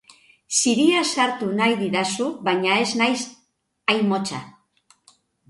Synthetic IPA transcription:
siɾiasaɾt̪unajðiðasuβajɲae̞znajs | ajmo̞t͡ʃa̰

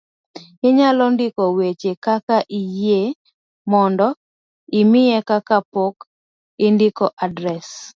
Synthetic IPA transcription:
ɪɲalɔndɪkɔwet͡ʃekakaʔije | mɔndɔ | ɪmɪjɛkakapok | ɪndɪkɔʔadɾɛs

